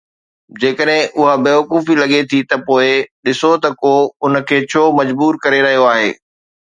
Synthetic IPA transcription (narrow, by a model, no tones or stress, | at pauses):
d͡ʑeːkəɗɦɪ̃ʔʊɦabeːʋɐkuːfilɐɠet̪ʰit̪ɐpoːɪɗɪsot̪ɐkoːʊnəkʰeːt͡ɕʰoːmɐd͡ʑbuːɾkɐɾeɾɐɦijoaːɦḛː